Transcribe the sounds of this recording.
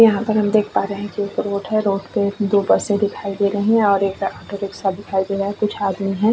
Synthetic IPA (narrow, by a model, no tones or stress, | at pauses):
jɐɦãpɐɾɦɐmd̪eːkʰpaːɾeɦɛ̃kieːkɾoːʈɦɛɾoːʈped̪oːpɐsẽd̪ɪkʰaːid̪eɾɐɦeɦɛ̃ɔːɾeːkaːʈoɾeːksad̪ɪkʰaːid̪eɾɐɦẽkʊt͡ʃʰaːd̪miɦɛ̃ː